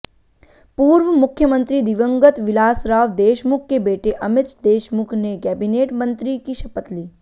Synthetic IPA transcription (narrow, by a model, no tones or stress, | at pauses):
puːɾʋəmʊkʰjəmə̃nt̪ɾiːd̪ɪʋəŋɡət̪ʋɪlaːsɾaːʋd̪eːʃmʊkʰːebeːʈeʔəmɪt̪t͡ʃd̪eːʃmʊkʰnekɛbineːʈmə̃nt̪ɾikiʃɐpət̪liː